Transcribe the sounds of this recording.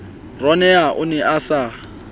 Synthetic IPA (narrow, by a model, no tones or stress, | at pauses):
rɔnɛaʔʊnɛʔasa